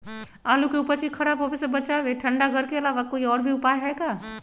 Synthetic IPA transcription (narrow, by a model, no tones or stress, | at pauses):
aːlukeupəɾt͡ʃixʰɐɾaːbɦoːbesebɐt͡ʃaːʋeʈʰɐ̃ɳɖaɡʱɐɾkeɐlaːʋakoːiɔːɾbʱiʊpaːjɦɛkaː